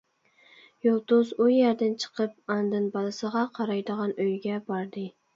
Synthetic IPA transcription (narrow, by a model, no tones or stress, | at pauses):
jolˠt̪ʊzujæɾd̪ɪnt͡ʃʰə̥qʰəp̚ɑnd̪ɨnbɑlˠɨsəʁɑqʰɑɾɑjd̪əʁɑnøjɡʲɛbɑɾd̪ɨ